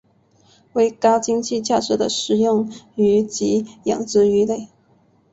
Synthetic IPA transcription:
we˧˥ɪkɑ˥ʊt͡ɕi˥ŋt͡ɕi˥˧t͡ɕja˥˩ʈ͡ʂɻ̩˧˥d̪ə̰˧ʂɻ̩˨˩jʊ˥˩ŋy˧˥t͡ɕi˧˥jɑ̰˨˩ŋʈ͡ʂɻ̩˧˥y˧˥le˥˩ɪ

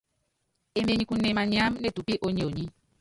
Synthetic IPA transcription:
e˨me˨ɲi˨ku˨ne˨ma˨ɲa˦mne˨tu˨pi˦ʔo˦ɲi˨o˨ɲi˦

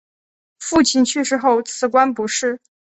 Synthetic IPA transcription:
fu˥˧t͡ɕʰi˥˧nt͡ɕʰy˥˧ʂɻ̩˥˧xo˥˩ʊt͡sʰɹ̩˧˥kwa˥npu˧˥ʂɻ̩˥˩

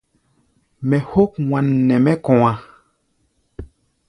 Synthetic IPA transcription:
mɛ˨ho˦k̚wa˨nːɛ˨mɛ˦kɔ̃˨wã˨

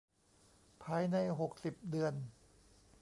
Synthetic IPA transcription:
pʰaː˧jna˧jɦo˨˩k̚si˨˩p̚dɯ˨˧ən

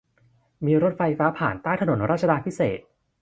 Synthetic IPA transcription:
miː˧ɾo˦˥t̪̚fa˧jfaː˦˥pʰaː˨˩nt̪aː˥˩jt̪ʰano˩˦nɾaː˥˩t̪̚t͡ɕa˧daː˧pʰi˦˥sḛː˨˩t̪̚

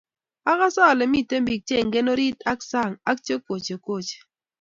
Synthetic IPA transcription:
a˦ka˦sɔ˦˨le˨mi˦˨te˦mbi˨k̚t͡ʃe˦˨ŋɡe˦no˦ɾi˦ta˦ksa˦˨ŋa˦k̚t͡ʃe˦ko˨t͡ʃe˨ko˦˨t͡ʃe̥˨

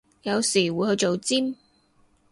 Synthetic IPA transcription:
jɐ˨˧wsiː˨˩wuː˨˧jhɵ˧ɥt͡so˨wt͡si˥m

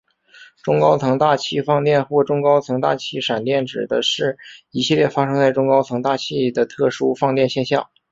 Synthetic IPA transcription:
ʈ͡ʂʊ˥ŋkɑ˥ʊt͡s̪ʰɤ˧˥ŋt̪a˥˧t͡ɕʰi˥˧fɑ˥˧ŋt̪jɛ˥˧nxwɔ˥˩ʈ͡ʂʊ˥ŋkɑ˥ʊt͡sʰɤ˧˥ŋt̪a̰˥˩t͡ɕʰi˥˩ʂa˨˩nt̪jɛ˥˩nʈ͡ʂɻ̩˨˩d̪ə˦ʂɻ̩˥˩i˨˧˩ɕi˥˧ljɛ˥˩fa˥ʂɤ˥ŋt͡sa˥˧ɪʈ͡ʂʊ˥ŋkɑ˥ʊt͡sʰɤ˧˥ŋt̪a˥˧t͡ɕʰi˥˩d̪ə˩t̪ʰɤ˥˩ʂu˥fɑ˥˧ŋt̪jɛ˥˧nɕjɛ˥˧nɕjɑ̰˥˩ŋ

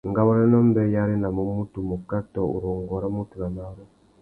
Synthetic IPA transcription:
ŋɡa˦βo˦ne˦no˦mbe˦ja˦ɾi˦na˨mu˦mu˦tu˨mu˨ka˦to˨ṵ˨ɾo˨ŋɡo˨ɾa˦mu˦tu˨na˨ma˦ɾo˦

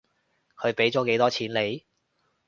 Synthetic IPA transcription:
kʰɵ˨˧ɥpe˨˥jt͡sɔː˨˥ke˨˥jt̪ɔː˥t͡sʰiː˨˥nle˨˧j

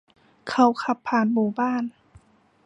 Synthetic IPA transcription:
kʰa˧˩wkʰa˧˥pʰːaː˨˧˩nbuː˨˩baː˥˩˨n

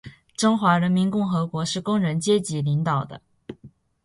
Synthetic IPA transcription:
ʈ͡ʂɤ˥ŋxwa˧˥ɻə˧˥nmi˧˥nkʊ˥˩ŋxɤ˧˥kwɔ˧˥ʂɻ̩˥˩kʊ˥ŋɻə˧˥nt͡ɕjɛ˥t͡ɕi˧˥li˧˥ŋt̪ɑ˨˩ʊd̪ə̰˦

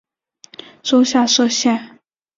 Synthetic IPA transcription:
ʈ͡ʂo˥ʊɕja˥˧ʂɤ˥˧ɕjɛ˥˩n

